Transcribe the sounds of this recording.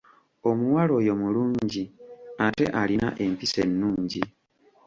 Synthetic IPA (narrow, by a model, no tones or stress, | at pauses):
o̞muwalo̞jo̞muluːɲɟiate̞̰ʔalina̰ʔe̞mpise̞nːuːɲɟi